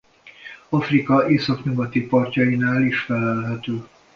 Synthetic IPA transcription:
ɒfrikɒeːsɒkɲuɡɒt̪ipɒrcɒjinaːliʃfɛlɛlɦɛt̪øː

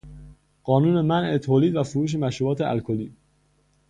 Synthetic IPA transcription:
ɢ̥ɒːnuːne̞mænʔet̪ʰoːliːd̪væfoɾuːʃ̬e̞mæʃɾuːbɒːt̪ʰeʔæ̰lkʰoliː

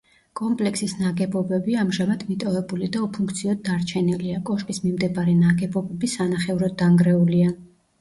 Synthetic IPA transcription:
kʼɔmpʼlɛkʰsisnaɡɛbɔbɛbiamʒamad̪mit̪ʼɔvɛbulid̪aɔpʰuŋkʰt̪sʰiɔd̪̚ːaɾt͡ʃʰɛniliakʼɔʃkʼismimd̪ɛbaɾɛnaɡɛbɔbɛbisanaχɛuɾɔd̪aŋɡɾɛulia

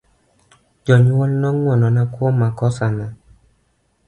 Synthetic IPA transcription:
d͡ʒɔɲwɔlnɔŋwɔnɔnakwɔmakɔsana

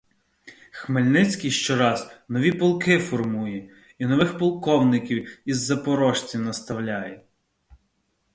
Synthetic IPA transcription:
xmelʲnɪt͡sʲkʲijʃt͡ʃɔɾɑznɔʋʲipɔlˠkɪfɔrmujɛ | inɔʋɪxpɔlˠkɔwnɪkʲiwizːɐpɔɾɔʃt͡sʲinɐst̪ɐwlʲajɛ

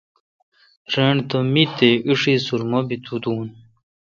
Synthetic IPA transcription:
ɾeɳt̪omit̪eʔiʂisuɾmobit̪ʰud̪uːn

